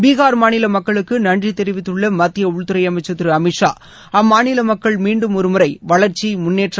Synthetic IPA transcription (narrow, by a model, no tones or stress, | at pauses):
biːɣaːɾmaːnɪlɐmɐkːɐɭɯkːɯnɐɳɖrit̪ɛɾɪʋɪt̪ːɯɭːɐmɐt̪ːɪjɐʊɭt̪ɯɾɐɪjɐmɐɪt͡ʃːɐt̪ːɯɾɯɐmɪʈʂa̰ː | ɐmːaːnɪlɐmɐkːɐɭmiːɳɖɯmɔɾɯmʊɾɐɪʋɐɭɐɾt͡ʃːimʊnːeːʈr